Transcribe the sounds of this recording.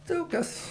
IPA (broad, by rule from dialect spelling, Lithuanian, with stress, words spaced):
ˈdɐʊk ˈkɐs